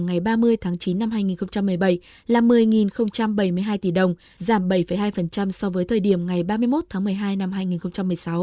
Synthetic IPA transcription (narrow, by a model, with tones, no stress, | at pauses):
ŋa˨˩jɓaː˧mɨ˧əjt̪ʰaː˨˦ŋt͡ɕi˨˦nːa˧mɦaː˧jŋi˨˩nxə˧ŋ͡mt͡ɕa˧mːɨ˨˩əjɓə˧˩j | laː˨˩mɨ˨˩əjŋi˨˩nxə˧wŋ͡mt͡ɕa˧mɓə˧˩jmɨ˧əjɦaː˧jt̪i˧˩ɗə˨˩wŋ͡m | zaː˧˩mɓə˧˩jfə˨˩jɦaː˧jfə˨˩nt͡ɕa˧msɔ˧vəː˨˦jt̪ʰəː˨˩jɗi˧˩əmŋa˨˩jɓaː˧mɨ˧jmo˦˥t̚t̪ʰaː˨˦mɨ˨˩əjɦaː˧jna˧mɦaː˧jŋi˨˩nxə˧wŋ͡mt͡ɕa˧mːɨ˨˩əjsa˨˦w